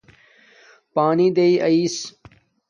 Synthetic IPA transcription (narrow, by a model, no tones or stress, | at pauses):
paːniːd̪eiːʔɐiːs